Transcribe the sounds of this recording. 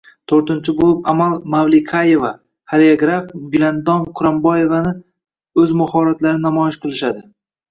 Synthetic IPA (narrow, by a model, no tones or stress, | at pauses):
t̪ʰoɾt̪ɪnt͡ʃʰɪbolˠɪpamalˠmavlɪkʰaje̞va | haɾeaɡɾafɡʊland̪ɒmqʰʊɾambɒje̞vanɪ | ɵzmʊhɒɾat̪laɾnɪnamɒjɪʃqɨlˠɪʃad̪ɪ